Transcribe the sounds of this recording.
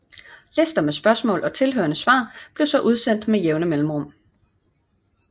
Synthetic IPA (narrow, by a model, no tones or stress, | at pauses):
lesd̥ɐmesb̥ɶɐsmɔ̰̽ːlʔɒ̽t͡sʰe̝lɦø̰ːɐnəsʋɑ̰̈ːb̥le̝ʊsɒ̽ʔuð̞ˠsen̰d̥mejeʊnəmelm̩ʁɔ̽m̰